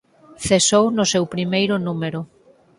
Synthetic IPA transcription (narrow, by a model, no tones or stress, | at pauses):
θesownʊsewpɾimejɾʊnumeɾʊ